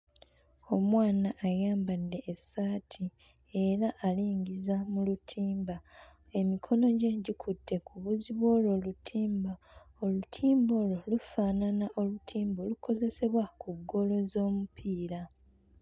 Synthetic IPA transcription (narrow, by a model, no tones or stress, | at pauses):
o̞mwaːnaʔːjaːmbanːe̞ʔːsaːtʰi | e̞ɾaʔaliːɲɟizamulutʰiːmba | e̞mikʰo̞no̞ɟe̞ɟikʰutʰːe̞kʰuβuziβwo̞ːlo̞lutʰiːmba | olutʰiːmbo̞ːlo̞lufaːnanaʔo̞lutʰiːmbolukʰo̞ze̞se̞βwakuɡːo̞lo̞zo̞ːmupʰiːɾa